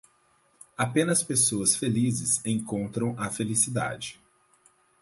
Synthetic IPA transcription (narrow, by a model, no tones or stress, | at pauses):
apẽnɐspesoɐsfelizɪsẽj̃kõnt̪ɾɐ̃w̃ɐfelisid̪a̰d͡ʒɪ